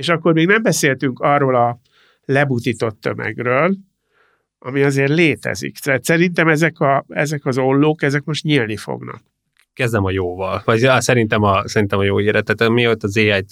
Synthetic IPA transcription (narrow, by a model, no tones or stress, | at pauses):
eːʃɒkːo̞rmiːɡnɛmbɛseːlt̪yŋkɒrːoːlɒ | lɛbut̪it̪o̞t̪ːø̰mɛ̰ɡrøːl | ʔɒ̰miɒzeːrleːt̪ɛ̰zḭkt̪ɛːt̪sɛɾint̪ɛmɛzɛkɒɛ̰zɛkɒzo̞lːoːkɛzɛkmo̞ʃt̪ɲilnifo̰ɡnɒ̰k̚ | kɛzd̪ɛmɒjoːvɒlvɒɟsɛɾint̪ɛmɒsɛɾint̪ɛmɒjoːeːɾɛt̪ːɛt̪miot̪ːɒzeːaːj